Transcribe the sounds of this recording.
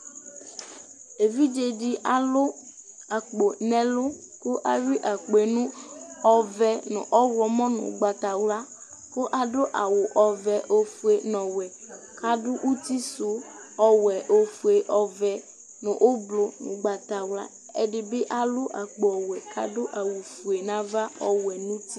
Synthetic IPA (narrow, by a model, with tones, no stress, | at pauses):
e˨vi˦d͡ʒe˦ɖi˦ʔa˨lʊ˦ | a˨k͡po˨nɛ̃˨lʊ˦ | ko˦ʔa˨ɥi˦ʔa˨k͡pe˨nũ˦ɔ˨vɛ˨nʊ̰̃˨ʔɔ˦wɔ˨mɔ̃˦nʊ̰̃˨ɡ͡ba˨t̪a˨wla˦ | ko˦ʔa˨ɖo˦ʔa˨wʊ˨ʔɔ˨vɛ˨ʔo˦fu˦e˨nɔ̃˨wɛ˨ | ka˦dʊ˦ʔu˦t̪i˦sʊ˨ | ɔ˨wɛ˨ʔo˦fu˨e˨ʔɔ˨vɛ˨ | nʊ̃˨ʔo˦blo˨nʊ̰̃˨ɡ͡ba˨t̪a˨wla̰˦ | e˦ɖɪ˨be˦ʔa˨lʊ˦ʔa˨k͡po˨ɔ˨wɛ˨kʰa̰˨dʊ˦ʔa˨wu˨fu˨e˨nã˦va˦ɔ˦wɛ˨nũ˦t̪i˦